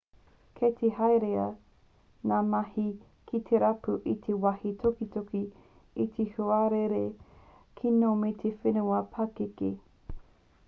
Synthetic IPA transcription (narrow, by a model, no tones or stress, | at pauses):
kʰet̪ʰehɐjɾeɐ | naːmɐhi | kʰit̪ʰeɾɐpuʔit̪ʰewɐhitʰokitoki | it̪ʰehuaɾeɾe | kʰinometʰefenuɐpʰɐkekḭ